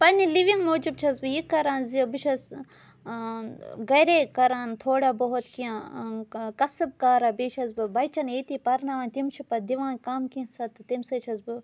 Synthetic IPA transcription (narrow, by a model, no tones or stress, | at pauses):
pɐnʲiliʋiŋɡmoːd͡ʒibt͡ʃʰɐzbɨjikːɐɾaːnzibɨt͡ʃʰɐs | ɡɐɾekɐɾaːnt̪ʰoːɽabɐɦot̪kijã | kɐsɨb̚kaːɾabeːt͡ʃʰɐzbɨbɐjt͡ʃɐneːt̪ipɐɾnɐʋaːnt̪imt͡ʃʰipɐd̪iʋaːnkaːmkĩsɐt̪ɨt̪imsɐt͡ʃʰɐzbɨ